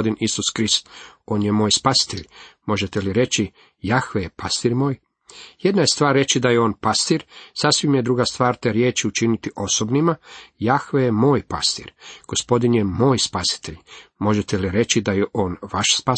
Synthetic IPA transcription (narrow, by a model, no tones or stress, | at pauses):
d̪inisuskɾist̪o̞ːnjemo̞ːjspasi̥t̪eʎmo̞ʒet̪eliɾe̞t͡ʃi | jaxʋejepʰast̪iːɾmo̞ːj | je̞d̪najest̪ʋaːɾːe̞t͡ʃid̪ajeo̞ːnpast̪iɾsasʋimjed̪ɾuɡast̪ʋaːɾt̪eɾje̞ːt͡ʃiut͡ʃinit̪iʔo̞sobnimajaxʋejemo̞ːjpa̰st̪ḭɾɡ̥o̞spo̞d̪injemo̞ːjspasi̥t̪e̞ʎmo̞ʒet̪eliɾe̞t͡ʃid̪ajeʔo̞ːnʋaʃspa